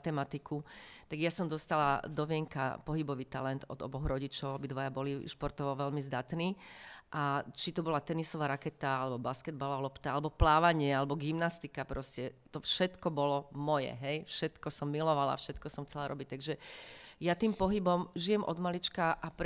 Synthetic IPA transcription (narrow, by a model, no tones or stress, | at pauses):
t̪ɛmat̪ikut̪aɡjasɔmd̪ɔst̪ala̰d̪ɔʋɪɛŋka̰pɔɦibɔʋiːt̪alɛnd̪ɔ̰d̪ɔ̰bɔɣɾɔɟit͡ʃɔʊabid̪ʋɔjabɔliʃpɔɾt̪ɔʋɔʋɛlmizd̪at̪niːʔat͡ʃit̪ɔbɔlat̪ɛnisɔʋaːɾakɛt̪aalɛbɔbaskɛd̪̚balalɔpt̪aalɛbɔplaːʋaɲɪɛalɛbɔɡimnast̪ikapɾɔscɛt̪ɔfʃɛt̪kɔbɔlɔmɔjɛ̰ɦɛjfʃɛt̪kɔsɔmːilɔʋala̰fʃɛt̪kɔsɔmxt͡sɛlaɾɔbic̚t̪aɡʒɛjat̪iːmpɔɦibɔmʒijɛmʔɔ̰d̪malit͡ʃkaʔapɾ